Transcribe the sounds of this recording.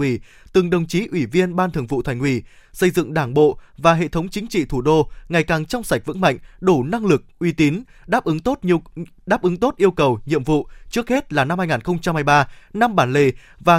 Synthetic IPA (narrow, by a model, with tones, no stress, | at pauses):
i˧˩ | t̪ɨ˨˩ŋɗə˨˩wŋ͡mt͡ɕi˨˦ʔwi˧˩vi˧ənɓaː˧nt̪ʰɨ˨˩əŋvṵ˧˨t̪ʰa˧˩ŋ̟ʔwi˧˩sə˧jzɨ̰˧˨ŋɗaː˧˩ŋɓo̰˧˨vaː˨˩ɦḛ˧˨t̪ʰə˨˦wŋ͡mt͡ɕï˨˦ŋ̟t͡ɕḭ˧˨t̪ʰu˧˩ɗo˧ŋa˨˩jkaː˨˩ŋt͡ɕɔ˧wŋ͡msa˨˩jk̚vɨ̰˧˥ŋma̰˧˨ŋ̟ɗu˧˩na˧ŋlɨ˨˩k̚ʔwi˧t̪i˨˦n | ɗaː˦˥p̚ʔɨ˨˦ŋt̪o˦˥t̚ɗaː˦˥p̚ʔɨ˨˦ŋt̪o˦˥t̚ʔi˧əwkə˨˩wɲḭ˧əmvṵ˧˨t͡ɕɨ˦˥ək̚he˦˥t̚laː˨˩na˧mhaː˧jŋaː˨˩nxə˧wŋ͡mt͡ɕa˧mhaː˧jɓaː˧na˧mɓaː˧˩nle˨˩ | vaː˨˩